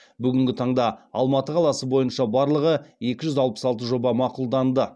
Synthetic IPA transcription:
bʏɡʲɪŋɡʲɪt̪ʰɑɴd̪ɑɑ̰lˠmɑt̪əqʰɑlˠɑsəbo̞jənʃɑbɑɾlˠəʁəje̞kʲɪʒʏzɑlˠpə̥sɑlˠt̪əʒo̞bɑmɑqulˠd̪ɑnd̪ə

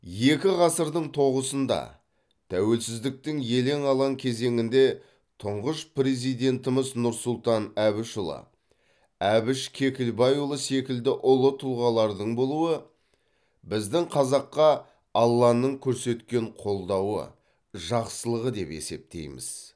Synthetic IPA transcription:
je̞kʲɪʁɑsəɾd̪əɴt̪ʰo̞ʁəsənd̪ɑ̰ | t̪ʰæwe̞lsɪzd̪ɪk̚t̪ɪŋje̞le̞ŋɑlˠɑŋkʲʰe̞ze̞ŋɪnd̪e̞ | t̪ʰʊɴʁəʃpre̞zijd̪e̞nt̪ɪmɪznʊɾsʊlˠt̪ɑnæbɪʃʊlˠɑ̰ | æbɪʃkʲʰe̞kʲɪlbɑjulˠəse̞kʲɪld̪ɪʔʊlˠət̪ʰʊlˠʁɑlˠɑɾd̪əɴbo̞lˠuwə | bɪzd̪ɪŋqʰɑzɑqːɑ | ɑlˠːɑnəɴkʲʰɵɾse̞t̪kʲe̞ɴqʰo̞lˠd̪ɑwə̰ | ʒɑqsəlˠəʁəd̪e̞̰pe̞̰se̞̰p̚t̪e̞̰jmɪ̰z̥

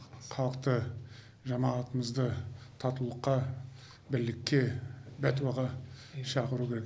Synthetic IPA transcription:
qʰɑlˠəqt̪ə | ʒɑmɑːt̪əməzd̪ət̪ʰɑt̪ulˠəqːɑ | bɪɾlɪkʲːe̞bæt̪wɑʁɑʃɑqəɾukʲʰe̞ɾek

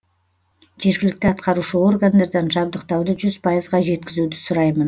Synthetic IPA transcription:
ʒ̥e̞ɾɡʲɪlɪk̚t̪ɪɑt̪qɑɾuʃəo̞rɡand̪ɑɾd̪ɑnʒɑb̚d̪əqt̪ɑwd̪əʒʏzpʰɑjəzʁɑʒe̞t̪̚kʲɪzud̪ɪsʊɾɑjmən

